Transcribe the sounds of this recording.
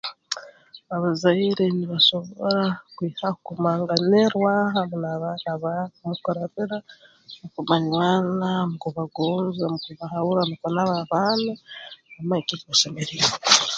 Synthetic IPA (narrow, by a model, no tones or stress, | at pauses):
aβazaiɾeniβaso̞βo̰ɾakwiːhakumaːŋɡaneɾwaɦaβunaβanaβamukoɾaβiɾa | okumaɲwaːnamukuβaɡoːnzamukuβahauɾanukonaβaβanaamaekikuʃemeɾie